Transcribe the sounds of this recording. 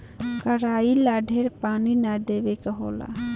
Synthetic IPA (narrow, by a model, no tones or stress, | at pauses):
kəɾailaɖʱeɾpaːninad̪eʋekəɦo̰la̰